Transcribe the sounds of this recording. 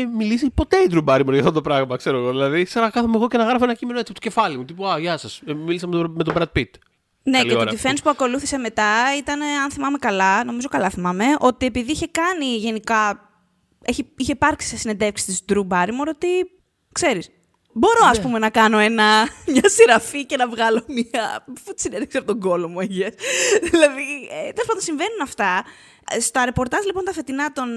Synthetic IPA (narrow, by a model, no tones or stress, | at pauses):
emilisipo̞t̪eid̪ɾubɐɾimoɾʝɐft̪ot̪opɾɐɣmɐkse̞ɾoɣo̞ðilɐðikseɾɐkɐθomeɣo̞cenɐɣɾɐfoenɐcimenoet͡sipt̪oce̞fɐlimut̪ipuɐʝɐsɐsmilisɐmme̞t̪obɾɐd̪̚pit̪ | nelɐooɾɐt̪ife̞nispuɐko̞luθise̞me̞t̪ɐit̪ɐne̞ɐnθimɐme̞kɐlɐno̞mizo̞kɐlɐθimɐme̞ʔo̞t̪ie̞piðiiçe̞kɐniʝe̞nikɐ | eçiiçepɐɾksi̥sesined̪e̞fksi̥st̪isd̪ɾubɐɾimoɾo̞t̪i | kse̞ɾis | bo̞ɾo̞ɐspume̞nɐkɐno̞e̞nɐmɲɐsiɾɐfice̞nɐvɣɐlo̞miɐfut̪sineneksiɐpot̪oŋɡo̞lo̞mueʝesðilɐðit̪eospɐnonsiɱve̞nunɐft̪ɐ | st̪ɐɾe̞po̞ɾt̪ɐzlipo̞nt̪ɐfe̞t̪inɐt̪o̞n